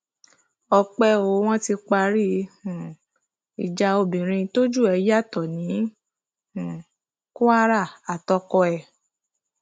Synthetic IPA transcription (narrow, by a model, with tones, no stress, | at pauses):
ɔ˧k͡pɛ˧o˨˦w̃ɔ̃˦ti˧k͡pa˧ɾi˦hũ˨ | i˨d͡ʒa˨˧o˧bĩ˨ɾ̃ĩ˧to˦d͡ʒu˦˨ɛ˧ja˦˨tɔ˨nĩ˨˦ | hũ˨ | ku˦a˦ɾa˦˨a˨tɔ˧kɔ˧ɛ˨